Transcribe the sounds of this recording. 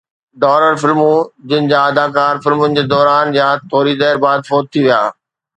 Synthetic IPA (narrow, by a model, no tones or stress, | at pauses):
ɖɔːɾəɾfɪlmũd͡ʑɪnɪ̆d͡ʑaːɐd̪aːkaːɾfɪlmʊnɪ̆d͡ʑeːd̪ɔːɾaːnjat̪ʰoːɾizɛːɾbaːd̪fɔːt̪̚t̪ʰiʋija̰ː